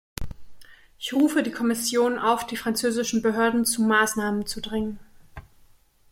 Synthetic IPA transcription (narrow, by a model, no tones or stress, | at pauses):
ʔɪçʁuːfədiːkʰɔmɪsjoːnʔaʊfd̥iːfʁ̥ant͡søːzɪʃn̩bəɦøːɐdn̩t͡sumaːsnaːmənt͡sudʁɪŋən